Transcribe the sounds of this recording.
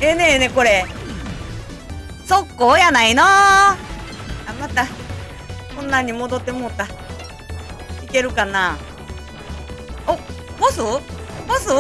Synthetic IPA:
eneneko̞ɾe | sokːoːjanaino | jamat̪a | kõ̞nːaɲ̟ːimo̞d̪o̞t̪ːe̞mot̪a | ike̞ɾɯ̟kana | obosɨɡosɨ

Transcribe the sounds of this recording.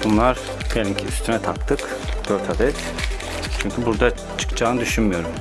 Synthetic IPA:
bunlˠaɾ | ɡ̥alʲincʰiyst̪ʰynɛt̪ʰakt̪ʰːɯk | d̪̥øɾt̪ʰad̪ɛt̪ | t͡ʃʰyɲcʰybuɾd̪a | t͡ʃʰɯ̥kd͡ʒaːnɯd̪yʃynmyjo̞ɾum

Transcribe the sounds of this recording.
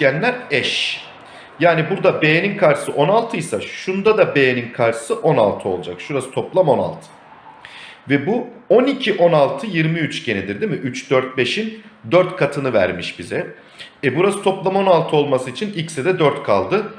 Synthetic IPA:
ænlʲæɾɛʃ | jaːnibuɾd̪abe̞jeninkʰaɾɯ̥sɯʔo̞nalˠt̪ʰɯjsaʃund̪ad̪abe̞jeninkʰaɾɯ̥sɯʔo̞na̰lˠt̪ʰɯo̞lˠd͡ʒakʃuɾasɯ̥t̪ʰo̞plˠamo̞na̰lˠt̪ʰɯ̥ | vɛbuo̞nicʰiʔo̞nalˠt̪ʰɯjiɾmiyt͡ʃɟened̪iɾd̪imiʔyt͡ʃd̪øɾt̪̚be̞ʃind̪øɾt̪kʰat̪ʰɯnɯvæ̰ɾmiʃbizɛ | ɛbuɾasɯ̥t̪ʰo̞plˠamo̞nalˠt̪ʰɯo̞lˠmasɯit͡ʃʰinicsɛd̪ɛd̪øɾt̪kʰa̰lˠd̪ɯ

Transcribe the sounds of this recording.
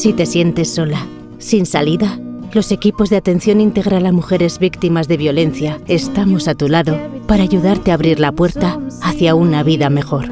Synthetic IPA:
sit̪e̞sje̞nt̪e̞sːo̞la | sinsaliðalo̞se̞kipo̞zðeat̪e̞nθjo̞nint̪eɣ̞ɾalamuxe̞ɾe̞zβikt̪imazðe̞βjo̞le̞nθjae̞st̪amo̞sat̪ulaðo̞paɾaːʝuðaɾt̪eaːβɾiɾlapwe̞ɾt̪aaθjaunaβiðame̞xo̞ɾ

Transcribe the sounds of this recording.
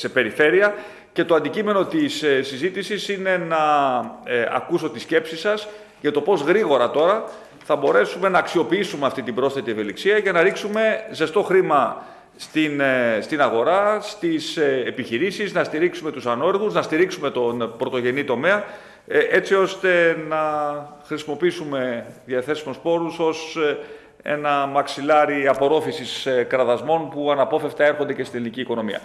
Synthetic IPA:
se̞pe̞ɾife̞ɾiɐ | ce̞t̪o̞ɐnd̪icime̞no̞t̪issːizit̪isisine̞nɐ | ɐ̰kuso̞t̪isce̞psisɐs | ʝɐt̪o̞po̞zɣɾiɣo̞ɾɐt̪o̞ɾɐ | θɐbo̞ɾe̞sume̞nɐːksio̞piisume̞ɐft̪it̪ibɾo̞sθe̞t̪ieve̞liksiɐʝɐnɐɾiksume̞ze̞st̪o̞xɾimɐ | st̪inst̪inɐɣo̞ɾɐst̪isepiçiɾisiznɐst̪iɾiksume̞t̪usɐno̞eɾɣuznɐst̪iɾiksume̞t̪o̞nbɾo̞t̪o̞ʝe̞nit̪o̞me̞ɐ | e̞t͡sio̞st̪e̞nɐxɾisimo̞piisume̞ðiɐθe̞simospo̞ɾuso̞s | e̞̰nɐmɐksilɐɾiɐpo̞ɾo̞fisiskɾɐðɐzmo̞npuɐnɐpo̞fe̞ft̪ɐe̞ɾxo̞nd̪e̞cest̪ineliniciːko̞no̞miɐ̰

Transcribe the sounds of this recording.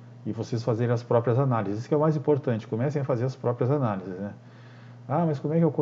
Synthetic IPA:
ɪvosesfazeɾẽɐspɾɔpɾiɐzanalizɪɪsʊ̥kɪɛwmajzĩpoɾt̪ɐ̃nt͡ʃɪ̥komɛsẽɐfazeɾɐspɾɔpɾiɐzanalizɪznɛ | amɐskõmʊɛkɪewkõ

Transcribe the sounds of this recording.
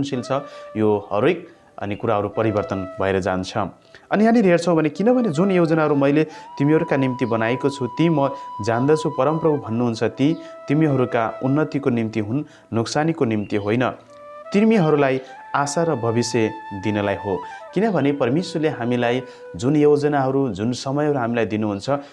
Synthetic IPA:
nsilt͡sʰʌjohʌ̰ɾojk̚ | ʌ̰nikuɾaɦʌɾupʌɾibʌrt̪ʌnbʱʌeɾʌd͡za̰nt͡sʰʌ̰ | ʌniɦaniɾʱert͡sʰʌ̃w̃bʱʌnekinʌbʱʌned͡zunjewd͡zʌnaɦʌɾumʌjlet̪imiɦʌɾukanimt̪ibʌnaekot͡sʰut̪imʌd͡zand̪ʌt͡sʰupʌɾʌmprʌbubʱʌnːuɦunt͡sʰʌt̪it̪imiɦʌɾukaunːʌt̪ikonimt̪iɦunː | uksanikonimt̪iɦojnʌ | t̪imiɦʌɾulaj | asaɾʌbʱʌbised̪inʌlajɦokinʌbʱʌnepʌrmeswʌrleɦamilaj | d͡zunjowd͡zʌnaɦʌɾud͡zunsʌmʌjɦʌɾuɦamilajd̪inuɦunt͡sʰʌ

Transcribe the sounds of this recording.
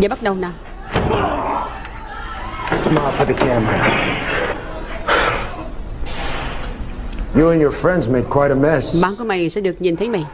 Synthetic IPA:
aːɓat̚ɗəwnaː | smalfə˞ðɨkʰæmə˞ə̰ | jɨɨ̃njə˞fɹɛ̃ndzmeɪd̚kʰw̥aɪɾəmɛsɓaːnkuəmajsɛ̰ɗɨək̚ɲint̪ʰəjmaj

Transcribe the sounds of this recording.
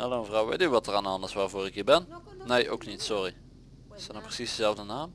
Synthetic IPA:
ɛlˠoməvrɑwʋḛjtnyːʋɑtəraːnɑndɪsʋaːrvoːɾɪkɦiːbɛnnejʔowknitsɔri | ɪsɛnaprəsisdəzɛlˠvdənaːm

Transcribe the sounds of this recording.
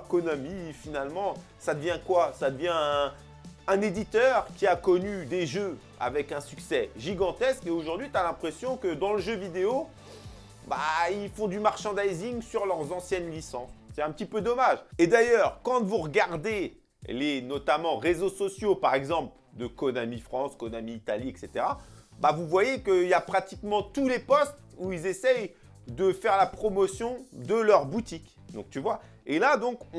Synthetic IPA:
kɔnɔmifinalmɑ̃ | sad̪əvjɛ̃kwasad̪əvjɛ̃ | ɛ̃ned̪it̪œʁkʲiakɔnyd̪eʒø | a̰vɛkɛ̃syksɛʒiɡɑ̃t̪ɛskeoʒuʁd̪ɥit̪alɛ̃pχesjɔ̃kəd̪ɑ̃ləʒøvid̪eo | ba̰ilfɔ̃d̪ymaʁʃɑ̃d̪ajziŋsyʁlœʁzɑ̃sjɛnlisɑ̃sːɛt̪ɛ̃pət̪ipød̪ɔmaʒed̪ajœʁkɑ̃t̪vuʁəɡaʁd̪e | lenɔt̪amɑ̃ʁezosɔsjopaʁɛɡzɑ̃pl | d̪əkɔnamifχɑ̃skɔnamiːt̪aliɛkset̪eʁabavuvwajekəiljapχat̪ikmɑ̃t̪ulepɔst̪ | uilzesɛj | d̪əfɛʁlapχɔmɔsjɔ̃d̪əlœʁbut̪ik | d̪ɔ̃k̚t̪yvwa | elad̪ɔ̃k

